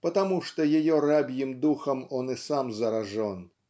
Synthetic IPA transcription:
pɐt̪amuʂt̪ɔjajɔɾabʲjimd̪uxɐmɔnɨsamzɐɾaʐɔn

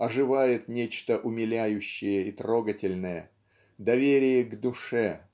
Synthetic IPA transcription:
ɐʐɨvajɪt̪nʲet͡ɕt̪əʔʊmʲɪlʲæjʉɕːɪjəit̪ro̞ɡətʲɪlʲnəjə | d̪ɐvʲeɾʲɪjəɡd̪ʊʂɛ

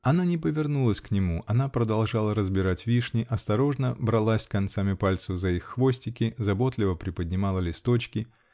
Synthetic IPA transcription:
ɐnanʲɪpəvʲɪrnulˠəsʲknʲɪmuʔɐnapɾəd̪ɐlˠʐalˠəɾəzbʲɪɾatʲvʲiʂnʲɪʔɐst̪ɐɾo̞ʐnəbɾɐlˠasʲkɐnt̪samʲɪpalʲt̪səvzɐixːvosʲtʲɪkʲɪzɐbo̞t̪lʲɪvəpɾʲɪpədʲnʲɪmɑlˠəlʲɪst̪o̞t͡ɕkʲɪ

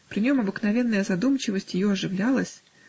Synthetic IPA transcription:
pɾʲɪnʲo̞mɐbɨknɐvʲe̞nːəjəzɐd̪umt͡ɕɪvəsʲtʲjɪjo̞ɐʐɨvlʲalˠəsʲ

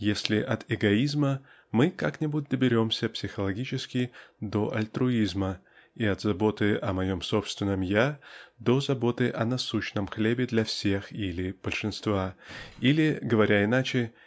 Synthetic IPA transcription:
jesʲlʲɪʔɐt̪ɪɡɐizmə | mɨkaknʲɪbut̚ʲd̪əbʲɪɾʲo̞msʲəpsʲɪxəlˠɐɡʲit͡ɕɪskʲɪd̪o̞ʔɐ̰lʲt̪ɾʊizmə | iɐt̪zɐbo̞t̪ɨʔɐmɐjo̞mso̞pst̪vʲɪnːəmjad̪o̞zɐbo̞t̪ɨʔɐnɐsuɕnəmxlʲebʲɪd̪lʲɐfsʲe̞xilʲɪb̥əlʲʂɨnst̪vailʲɪɡəvɐɾʲaɪnat͡ɕɪ

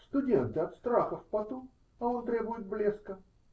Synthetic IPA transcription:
st̪ʊdʲent̪əɐt̪st̪ɾaxəfpɐt̪om | ɐo̞nt̪ɾʲebʊjɪt̪̚blʲeskə

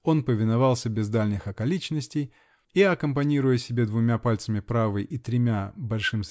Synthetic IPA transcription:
o̞npəvʲɪnɐvɑlˠsʲəbʲɪzd̪alʲnʲɨxɐkɐlʲit͡ɕnəsʲtʲɪj | iɐkəmpɐnʲiɾʊjəsʲɪbʲe̞d̪vʊmʲapalʲt̪səmʲɪpɾavəjʔit̪ɾʲɪmʲabɐlʲʂɨms

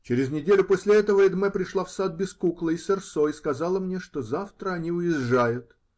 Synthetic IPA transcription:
t͡ɕɪɾʲɪznʲɪdʲelʲʊposʲlʲɪɛt̪əvəɪd̪mɛpɾʲɪʂlˠafsad̪̚bʲɪskuklˠəɪsʲɪrsoɪskɐzalˠəmnʲeʂt̪ozaft̪ɾəɐnʲiʊjɪʐːajʊt̪

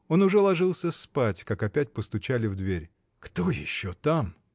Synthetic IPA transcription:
o̞nʊʐɛlˠɐʐɨlˠsʲəspatʲkakɐpʲætʲpəst̪ʊt͡ɕælʲɪvd̪vʲeɾʲ | kt̪ojɪ̰ɕːot̪am

